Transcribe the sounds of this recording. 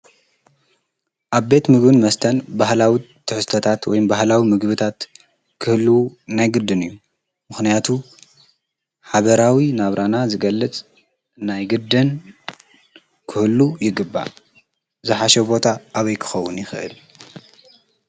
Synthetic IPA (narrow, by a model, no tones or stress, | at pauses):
ʔaβbe̞t̪mɨɡbɨnmɐst̪ʰɐnbahlawit̪ʰːɨħɨst̪ʰɐt̪ʰat̪wɔjmbahlawimɨɡbɨt̪ʰat̪ | kʰɨhɨlːɨwunajɡɨd̪ɨnɨjːu | mɨxnijat̪ʰu | ħaβɐɾawinaβɾanazɨɡɐlːɨt͡sʼ | najɡɨd̪ɨn | kʰɨhɨlːujɪɡɨbːa̰ | zɨħaʃɛbo̞t̪ʰaʔːβɐjkʰɨ̥xɐwːʊnjɪxɨʔɨ̰l